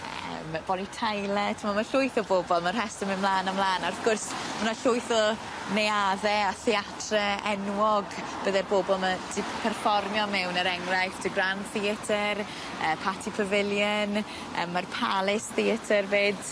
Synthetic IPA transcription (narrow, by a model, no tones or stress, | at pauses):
ə̰mb̥ɔnitʰajlˠɛtʰəmamaɬʊɨθɔboːbɔlˠmarɦɛstəmɪmlˠaːnəmlˠaːnarfɡ̥ʊrsmanaɬʊɨθɔ | nejaðɛaθiatʰrɛɛnwɔɡ | b̥əðɛrboːbɔlˠmad̥ɪpʰɛrfɔrmjɔmɛwnəɾɛŋrajfd̥ʰəɡranθiətʰər | əːpʰatʰipʰəvɪlˠjən | ə̰mːarpʰalˠɪsðiətʰərbeːd̥